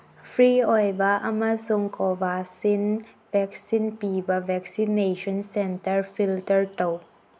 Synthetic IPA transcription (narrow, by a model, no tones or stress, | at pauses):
fʰɾiʔɔjbaʔamasʊŋkɔvasin | vɛk̚sinpibavɛk̚sineʃɔnsɛntəɹfiltəɹtɔw